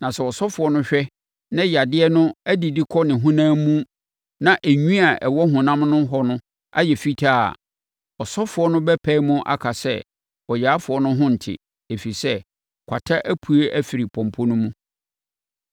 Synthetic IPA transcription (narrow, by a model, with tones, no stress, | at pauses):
nã˨sɛ˨ɔ˨sɔ˦fʊ˨ɔ˦nʊ̃˦ɕᶣɛ˦ | nã˦ja˨dɪ˦ɛ˦nʊ̃˦æ˦di˨di˦kʰɔ˦nɪ̃˨ɦũ˦nãː˦mũ˦ | nã˨ʔæ˨ɲᶣũ˦a˨ʔɛ˨wɔ˦ɦʊ̃˨nã˦mnʊ̃˦ɦɔ˨nʊ̃˦ | a̰˦jɛ˨fi˦tʰa̰˦˨ | ɔ˨sɔ˦fʊ˨ɔ˦nʊ̃˦bɛ˦pʰɛ˦mʊ̃˦ʔa̰˦kʰa˨sɛ̰˦ | ɔ˨ja˨˦fʊ˨ɔ˦nʊ̃˦ɦʊ̃˦n̩˨tʰɪ̰˨ | e˨fi˨sɛ˦ | kʷʰa̰˨tʰa˦ʔæ˦pʰu˨e˦ʔæ˦fi˨ɾi˨pʰɔ̃˨m˨pʰɔ˦nʊ̃˦mũ˦